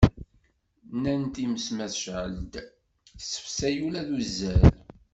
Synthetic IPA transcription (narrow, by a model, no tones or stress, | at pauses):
nænt̪iməsmæθʃʕəld̪ | sə̥fsæjulæðuzːæɾ